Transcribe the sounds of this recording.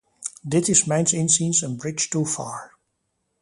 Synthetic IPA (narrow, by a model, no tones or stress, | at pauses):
d̪ɪtɪzmãɪ̃nsɪ̃nsĩnzə̃nbɹɪt͡ʃtufɑ̰ːɹ